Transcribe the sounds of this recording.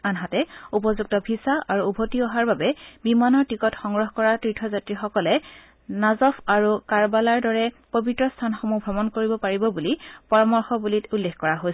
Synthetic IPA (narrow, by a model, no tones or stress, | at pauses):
anɦatɛupɔzuɡ̚tɔbʱisaʔaɹuːbʱotiɔɦaɹbabɛbimanɔɹtikɔtxɔŋɡɹɔɦkɔɹatɹitʰɔzatɹixɔkɔlɛ | nazɔpʰaɹukaɹbalaɹdɔɹɛpobitɹɔstʰanxomubʱɹɔmɔnkoɹibɔpaɹibɔbulipɔɹɔmɔɹxɔbulitulːexkɔɹaɦojs